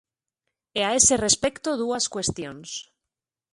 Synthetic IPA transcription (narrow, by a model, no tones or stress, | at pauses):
eae̞se̞re̞spe̞kt̪oðuaskwe̞st̪jo̞ns